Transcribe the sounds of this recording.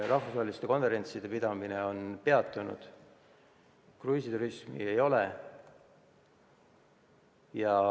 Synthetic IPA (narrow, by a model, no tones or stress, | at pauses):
rʔɑhfusɑːelist̪e̞ko̞nve̞ɾe̞nʲt̪sid̪̥e̞pid̪ɑmineo̞npe̞ɑt̪ːˑunṵd̪̥ | kruːsʲit̪uɾismḭejo̞le | jɑ